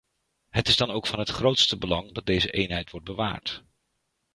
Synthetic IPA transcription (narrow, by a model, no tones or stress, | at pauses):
ɦətɪzdɑnowkfɑnɦətχrowtstəbəlɑŋdɑt̚dejzəʔejnɦɛjtʋɔɹt̚bəʋa̰ːɹt